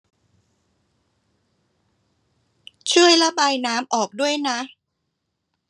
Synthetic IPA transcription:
t͡ɕʰu˥˩əjla˦˥baː˧jnaː˦˥mʔɔː˨˩k̚du˥˩əjna˦˥

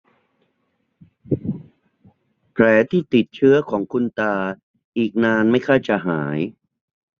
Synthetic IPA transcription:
pʰlɛː˩˦t̪ʰiː˥˩t̪i˨˩t̪̚t͡ɕʰɯ˦˥˩ɐkʰɔː˩˦ŋkʰu˧nt̪aː˧ | ʔiː˨˩k̚naː˧nma˥˩jkʰaː˥˩t͡ɕa˨˩ɦaː˩˦j

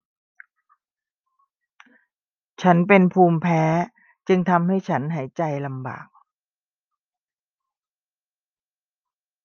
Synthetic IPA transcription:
t͡ɕʰa˦˥npe˧npʰuː˧mpʰɛː˦˥ | t͡ɕɯ˧ŋt̪ʰa˧mha˥˩jt͡ɕʰa˦˥nɦaː˩˦jt͡ɕa˧jla˧mba̰ː˨˩k̚

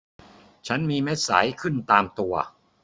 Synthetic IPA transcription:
t͡ɕʰa˦˥nmiː˧me˦˥t̪̚sa̰˩˦jkʰɯ˥˩nt̪aː˧mt̪u˧ɐ

